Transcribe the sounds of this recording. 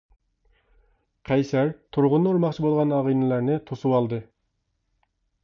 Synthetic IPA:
qʰɛjsæɾt̪ʰuɾʁʊnːuɾmɑχt͡ʃʰibolˠʁɑnɑʁijnɪlæɾnɪt̪ʰusuwɑlˠd̪ɨ

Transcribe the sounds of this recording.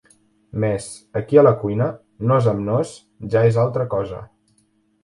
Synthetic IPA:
mɛz | əkiələkujnə | nozəmnos | ʒaezalˠt̪ɾəkɔzə̰

